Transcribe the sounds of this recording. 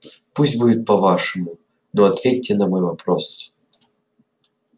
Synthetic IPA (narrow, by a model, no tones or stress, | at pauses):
pusʲtʲbudʲɪt̪̚pɐvaʂɨmu | noɐt̪vʲetʲːɪnɐmojvɐpɾos